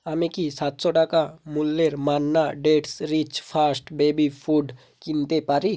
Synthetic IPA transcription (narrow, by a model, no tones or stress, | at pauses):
amẽkisaːt̪sɔʈakamulːeɾmaːnːaɖeːʈsɾit͡ʃpʰaːsʈbeːbipʰuːɖ | kɪ̃nt̪epaːɾi